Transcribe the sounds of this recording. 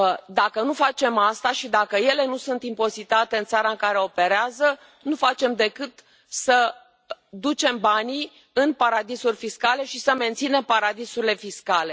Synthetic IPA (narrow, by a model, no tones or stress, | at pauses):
d̪akənufat͡ʃe̞mast̪aʃid̪akəje̞le̞nusunt̪impo̞zit̪at̪e̞ɨnt̪saɾaɨŋkaɾeope̞ɾeazə | nufat͡ʃe̞md̪e̞kɨt̪ | sə | d̪ut͡ʃe̞mbani | ɨnpaɾad̪isurʲfiskale̞ʃisəme̞nt̪sine̞mpaɾad̪isuɾile̞fiskale̞